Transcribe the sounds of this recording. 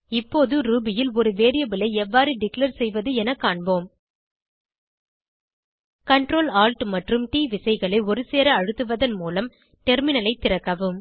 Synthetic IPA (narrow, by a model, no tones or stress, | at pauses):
ɪpːoːðɯɾuːbɪjɪlɔɾɯʋeːɾɪjɐbɪlɐɪɛʋːaːɾɯɖɪkleɾsɛjʋɐðɯɛnɐkːaːɳboːm | kɐɳʈɾoːlaːlʈmɐʈrɯmʈiːʋɪsɐɪɣɐɭɐɪɔɾɯseːɾɐɐɻɯt̪ːɯʋɐðɐnmuːlɐm | ʈɛɾmɪnɐlɐɪt̪ːɪrɐkːɐʋɯm